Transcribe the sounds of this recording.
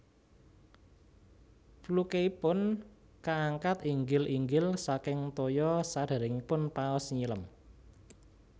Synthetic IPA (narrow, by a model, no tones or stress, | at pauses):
plukeipʊn | kaaŋkat̪iŋɡɪlʔiŋɡɪlsakɪŋt̪ojɔsaɖ̥a̤ɾɪŋipʊnpaɔsɲiləm